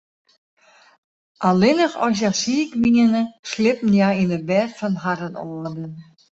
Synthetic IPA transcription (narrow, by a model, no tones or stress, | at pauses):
ʔalˠɪnəχɔ̰s̬jasiːkʋiŋənəslɪpn̩jainəbɛtfɔnɦaɾənɔ̰ːədən